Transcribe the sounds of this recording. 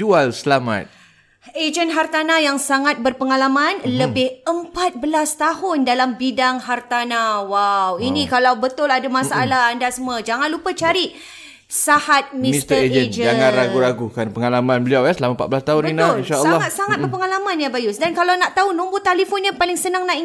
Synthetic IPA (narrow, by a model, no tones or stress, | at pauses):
d͡ʒualsəlamã̰t̪̚ | ed͡ʒənɦart̪anajaŋsaŋat̪̚bərpəŋalamãnləbɪhəmpat̪̚bəlast̪aɦʊndalambidaŋɦart̪anawawinĩkalawbət̪ʊladamasaʔalaandasəmad͡ʒaŋanlupat͡ʃaɾiʔ | sahat̪̚mĩist̪əed͡ʒəd͡ʒəd͡ʒaŋãnɾaɡuɾaɡukanpəŋalamãnbəliawjasəlamapa̰t̪̚bəlast̪aɦuninainʃalsːɔŋat̪̚saŋat̪̚bərpəŋalamãnjabajʊsdankalawnaʔt̪aɦunumbut̪alifɔnɲapalɪŋsənaŋnaʔi